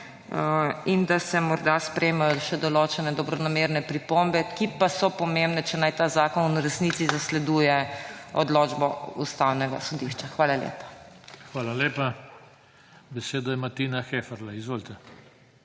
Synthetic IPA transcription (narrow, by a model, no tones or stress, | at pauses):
ind̪asɛmɔɾd̪aspɾʔɛjmajɔʃɛd̪ɔloːt͡ʃɛnɛd̪ɔbɾɔnameːɾnɛpɾipombɛkipasɔpɔmẽmbnɛt͡ʃɛnajt̪aːzaːkɔnuɾɛsnit̪sizaslɛd̪uːjɛɔd̪loːd͡ʒbɔust̪awnɛɡa̰sɔd̪iʃt͡ʃaxʋaːlalḛːpḁxʋaːlaleːpa | bɛseːd̪ɔjɛmat̪inaxefɛɾlaizʋoːlt̪ɛ